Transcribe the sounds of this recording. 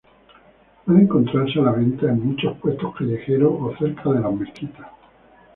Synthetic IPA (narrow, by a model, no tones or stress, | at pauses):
aneŋko̞nt̪ɾaɾs̬elaβẽ̞nt̪aeŋmut͡ʃo̞hpwe̞st̪okaʎexe̞ɾooθe̞ɾkʰaðe̞lame̞skit̪ḁ